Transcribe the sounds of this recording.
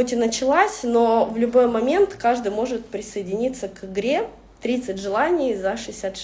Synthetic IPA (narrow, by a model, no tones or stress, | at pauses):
otʲɪnət͡ɕɪlˠasʲnovlʲʊbo̞jmɐmʲe̞nt̪kaʐd̪ɨjmo̞ʐɨt̪̚pɾʲɪsəjɪdʲɪnʲit̪səkɨɡɾʲe̞ | t̪ɾʲit̪sɨtʲʐɨlˠanʲɪjzəʂɨɪsʲat̪